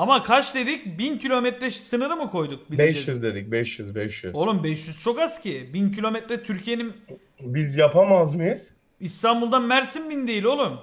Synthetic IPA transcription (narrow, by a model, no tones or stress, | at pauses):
amakʰat͡ʃd̪e̞d̪icbincʰilʲo̞mɛt̪ɾɛʃsɯnɯɾɯmɯkʰo̞jd̪uk̚biɛʃjyzd̪e̞d̪ic̚bɛʃjyzbɛʃjyzo̞lˠumbɛʃjyz̥t͡ʃʰo̞kascʰibincʰilʲo̞mɛt̪ɾɛt̪ʰyɾcʰijenin | bizjapʰamazmɯjɯz̥ | ist̪ʰanbulˠd̪anmæɾsimbind̪e̞jilʲo̞lˠum